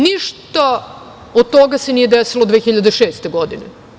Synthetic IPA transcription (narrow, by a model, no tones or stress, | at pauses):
niʃt̪a | od̪̚t̪oɡasenijed̪esilod̪ʋexiʎad̪eʃeːst̪eɡod̪ine